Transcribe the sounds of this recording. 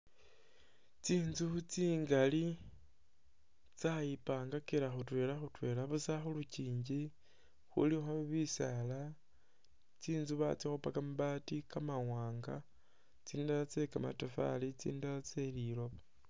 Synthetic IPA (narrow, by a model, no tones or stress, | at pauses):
t͡siːnzut͡siːŋɡali | t͡sajipaːŋɡakelaxutwe̞ːlaxutwe̞ːlaβusaxuluciːɲɟi | xṵlixoβisala | t͡siːnzuβa̰t͡sixupakamuβatikamawaːŋɡa | t͡siːndalat͡se̞kama̰tafa̰lit͡sḭːndalat͡selilo̞βa